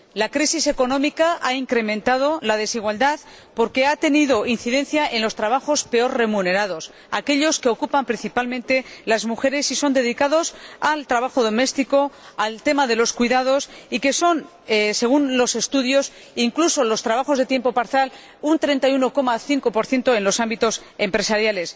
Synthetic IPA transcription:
lakɾisise̞ko̞nõ̞mikaʔaiŋkɾe̞mẽ̞nt̪að̞o̞lað̞e̞siɣ̞wald̪að | po̞ɾke̞at̪e̞niðo̞in̟θiðẽ̞n̟θjaʔe̞nlo̞st̪ɾaβ̞axo̞spe̞o̞ɾre̞mune̞ɾaðo̞s | a̰ke̞ʎo̞skeo̞kupampɾin̟θipalmẽnt̪e̞lazmuxe̞ɾe̞siso̞nd̪e̞ðikaðo̞salt̪ɾaβaxo̞ðo̞me̞st̪iko̞alt̪e̞maðe̞lo̞skwuiðað̞o̞sike̞so̞n | se̞ɣ̞unlo̞se̞st̪uðjo̞s | iŋkluso̞lo̞st̪ɾaβaxo̞zðe̞t̪je̞mpo̞paɾθjal | unt̪ɾe̞nt̪ajuno̞ko̞maθiŋko̞po̞ɾθje̞nt̪oe̞nlo̞sambit̪o̞s | e̞mpɾe̞saɾjale̞s

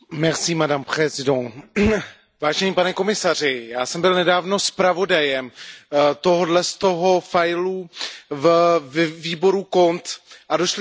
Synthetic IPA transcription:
mɛrsimadampr̥ɛzɪdo | vaːʒɛɲiːpanɛko̞mɪsar̝ɪjaːsɛmbɪlnɛdaːvno̞spɾavo̞dajɛmt̪o̞ɦodlɛst̪o̞ɦo̞fajluvvviːbo̞ɾuko̞nt̪ʔadoʃl

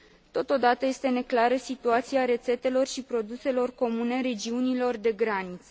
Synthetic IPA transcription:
t̪o̞t̪o̞d̪at̪əje̞st̪e̞ne̞klaɾəsit̪uat̪siaɾe̞t̪se̞t̪e̞lo̞rʃipɾo̞d̪use̞lo̞rko̞mune̞ɾe̞d͡ʒiunilo̞rd̪e̞ɡɾanit̪sə

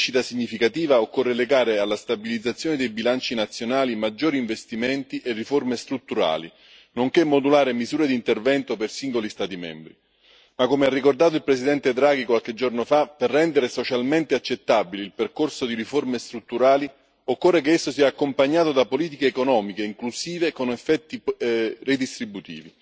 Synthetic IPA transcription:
ʃit̪asiɲːifikat̪iːvaokːorːeleɡaːɾealːast̪abilid̪zːat̪sːjoːned̪ejbilant͡ʃinat̪sːjonaːlimad͡ʒːoːɾiːɱvest̪iment̪iʔerːiformest̪ɾut̪ːuɾa̰ːlḭ | noŋkemːod̪ulaːɾemizuːɾed̪int̪ervɛnt̪opersiŋɡolist̪aːt̪imɛ̰mbɾi | makːomearːikord̪aːt̪̬oilpɾesid̪ɛnt̪ed̪ɾaːɡikwalked͡ʒornofaperːɛnd̪eɾesot͡ʃalment̪eat͡ʃːet̪ːabiliːlperkorsod̪iɾiformest̪ɾut̪ːuɾaːli | okːorːek̬eesːosiːaːkːompaɲːaːt̪od̪apoliːt̪̬ikeːkonɔːmikeiŋklusiːvekonefːɛt̪ːired̪ist̪ɾibut̪ḭːvi

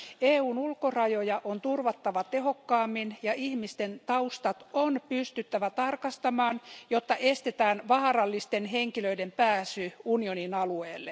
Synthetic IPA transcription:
eːuːnulkorɑjojɑʔont̪urʋɑt̪ːɑʋɑt̪ehokːɑːmːinjɑʔihmist̪ent̪ɑust̪ɑt̪onpyst̪yt̪ːæʋæt̪ɑrkɑst̪ɑmɑːnjot̪ːɑʔest̪et̪æːnʋɑhɑrɑlːist̪enheŋkiløidempæːsyunioninɑlueːlːe

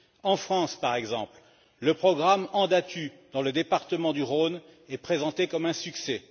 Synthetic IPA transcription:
ɑ̃fχɑ̃spaʁɛɡzɑ̃pl | ləpχɔɡʁamɑ̃d̪at̪yd̪ɑ̃ləd̪epaʁt̪əmɑ̃d̪yʁonɛpχezɑ̃t̪ekɔmɛ̃syksɛ

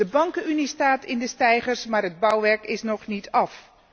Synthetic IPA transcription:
əbɑŋkəynistaːtɪndəstɛjχərsmaːɹɦəd̚bʌwʋɛɹkɪsnɔχnitʰɑf

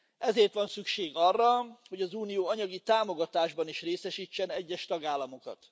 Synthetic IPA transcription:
ɛzeːrt̪ʋɒnsykʃeːɡɒrːɒho̞ɟɒzuːnijoːɒɲɒɡit̪aːmo̞ɡɒt̪aːʒbɒniʃreːsɛʃiːt͡ʃːɛnɛɟːɛʃt̪ɒɡaːlːɒmo̞kɒ̰t̪

